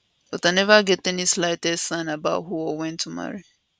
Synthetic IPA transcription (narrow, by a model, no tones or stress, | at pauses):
otanɛvaɡɛtenislaɪtedsãnabaʊtɦuɔwɛ̃ntʰuma̰ɾi